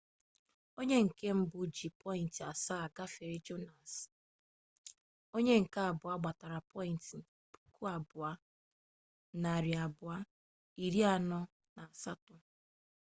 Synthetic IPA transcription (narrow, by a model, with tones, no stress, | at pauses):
o˦ɲe˦ŋ̩˨ke˦m̩˦bʊ˦d͡ʒi˨pʰɔ˦i˨n˨tɪ˨a˨sa˦a˨ɡa˦fe˨ɾi˦d͡ʒo˦na˨s | o˦ɲe˦ŋ̩˨ka˦a˨bʊ˨a˦ɡ͡ba˨ta˨ɾa˨pɔ˦i˨n˨tɪ˨pu̥˨kʰu˦a˨bʊ˨a˦ | na˨ɾi˨a˨bʊ˨a˦ | i˨ɾi˦a˨nɔ˦ | na˨a˨sa˦tʊ˦